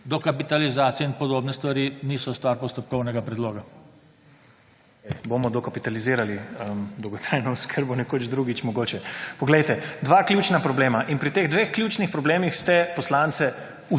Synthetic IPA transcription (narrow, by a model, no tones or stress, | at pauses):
d̪ɔkapit̪alizaːt̪sijɛinpɔd̪oːbnɛst̪ʋaɾiːnisɔst̪ʋaɾpɔst̪ɔp̚kɔwnɛɡapɾɛd̪loːɡa | ɛjbomɔd̪ɔkapit̪aliziːɾaliəmd̪ɔwɡɔt̪ɾajnɔuskʰəɾbɔnɛkod͡ʒd̪ɾuɡit͡ʃmɔɡoːt͡ʃɛpɔɡlɛjt̪ɛd̪ʋakljut͡ʃnapɾɔbleːmaʔinpɾit̪eɣd̪ʋexklʲjuːt͡ʃnixpɾɔbleːmixst̪ɛpɔslant̪sɛ | u